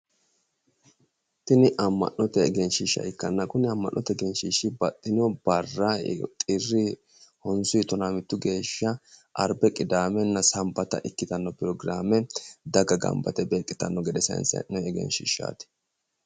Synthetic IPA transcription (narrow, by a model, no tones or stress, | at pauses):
t̪ɪnɪʔɐmːɐ̰nːɔt̪ɛɛɡɛnʃɪʃːɐ̰ɪkːɐnːɐkʊnɪɐmːɐ̰nʔːɔt̪ɛɡɛnʃiʃːɪbɐt̪ʼːɪnɔb̥ɐrːɐt̪ʼɪrːɪ | hɔnsʊjt̪ːɔnamɪt̪ːʊɡe̞ːʃːɐʔɐɾbɛkʼɪd̪aːmɛnːɐsɐmbɐt̪ɐ̰ʔɪkːɪt̪ɐnːɔpɪɾɔɡɾaːmɛd̪ɐɡɐɡɐ̰mbɐt̪ɛbe̞ːkʼːɪt̪ɐnːɔɡɛd̪ɛsɐ̰nsɐ̰nnɛːɡɛ̰nʃɪ̰ʃːa̰ːt̪ɪ̥